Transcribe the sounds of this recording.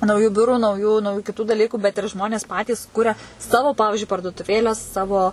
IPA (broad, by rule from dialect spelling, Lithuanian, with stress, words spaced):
nɐʊˈjuː ˈbʲʊruː nɐʊˈjuː nɐʊˈjuː kʲɪˈtuː dɐˈlʲiːkuː bʲɛt ɪr ˈʒmoːnʲeːs ˈpɑːtʲiːs ˈkʊrʲɛ ˈsɑːʋoː ˈpɑːʋʲɪʒʲʊɪ pɐrduɔtʊˈʋʲeːlʲæː ˈsɑːʋoː